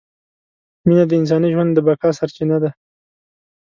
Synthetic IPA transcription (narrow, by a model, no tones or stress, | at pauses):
minad̪əɪns̬ɑniʒwand̪d̪əbakɑsaɾt͡ʃinad̪a